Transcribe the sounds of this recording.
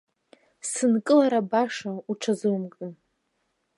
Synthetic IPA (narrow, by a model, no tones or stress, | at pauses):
sɨnkʼɨlaɾabaʂauʈ͡ʂʰazɨmkʼɨn